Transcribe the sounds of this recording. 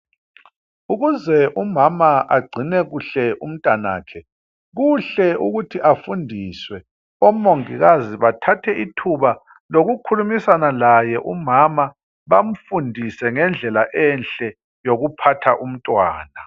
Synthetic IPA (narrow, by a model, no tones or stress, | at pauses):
uɣuzɛʔumamaʔa̰ɡ͡ǀʱinɛɣuɬɛʔum̩tʼana̰ːkʰɛ | ɣuɬɛuɣutʰiʔafundʱiswɛ | ɔmoŋiɣaziβatʰatʰɛitʰuβa | loɣukʰulumisanalajɛʔumama | βam̩fundʱisɛŋɛnd͡ɮʱɛlaʔɛnɬʼɛ | joɣupʰatʰaʔum̩tʼwa̰ːna